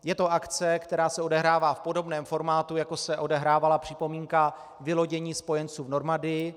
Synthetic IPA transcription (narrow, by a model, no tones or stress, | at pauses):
jɛt̪o̞ʔakt͡sɛkt̪ɛɾaːsɛodɛɦɾaːvaːfpo̞do̞bnɛːmfo̞ɾmaːt̪ujako̞sɛʔo̞dɛɦɾaːvalapr̝̥ɪpo̞miːŋka | vɪlo̞ɟɛɲiːspo̞jɛnt͡suːvno̞ɾmadɪjɪ